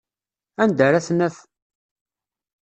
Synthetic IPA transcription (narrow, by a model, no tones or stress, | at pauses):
ænd̪əɾæθnəθ